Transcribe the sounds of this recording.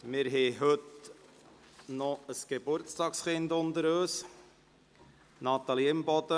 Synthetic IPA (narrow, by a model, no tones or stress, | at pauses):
mɪɾɦɛɦɵt̪ | nɔəsɡ̥ebʊɾt͡stɑːksχɪndʊnd̪əɾøːs | nɑt̪ɑliɪmbɔd̪̥ə